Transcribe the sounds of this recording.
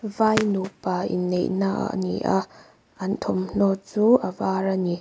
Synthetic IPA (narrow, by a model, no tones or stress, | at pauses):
vajnupaʔḭnːḛjnaʔa̰nḭʔa̰ | ʔɐnt̪ʰɔmn̥ɔt͡suʔavaɾani